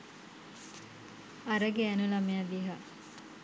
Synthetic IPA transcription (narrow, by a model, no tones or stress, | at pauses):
aɾəɡeænulamead̪iɦa